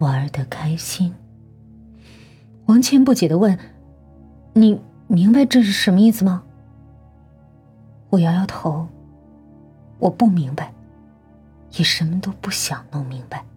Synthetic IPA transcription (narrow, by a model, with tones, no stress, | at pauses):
wa˧˥ə˧˥d̪ə˨kʰa˥ɪɕi˥n | wa˧˥nt͡ɕʰɥɛ˧˥npu˥˩t͡ɕɛ˨˩d̪ə˦wə˥˩n | ni˨˩ | mi˧˥ŋba˧ɪʈ͡ʂɤ˥˧ʂ̬ɻ̩˥˩ʂə˧˥nmə˧i˥˩sɹ̩˩mɐ˩ | xu˧˩jɑ˧˥jɑ˥˩ʊt̪ʰo˧˥ʊ | wʔɔ˨˩pu˥˩mi˧˥ŋba˧ɪ | ji˨˩ʂə˧˥nmə˧t̪o˥ʊpu˥˩ɕjɑ˨˩ŋno˥˩mi˧˥ŋba˧˦ɪ